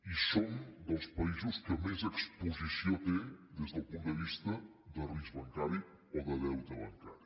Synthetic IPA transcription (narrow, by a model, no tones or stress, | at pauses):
isond̪əlˠspaizuskəmɛzekspuzisjot̪ed̪ezðəlˠpuŋd̪d̪əβist̪ɐ | d̪ərizβɐŋkaɾi | ɔðəðɛwt̪əβaŋka̰ɾi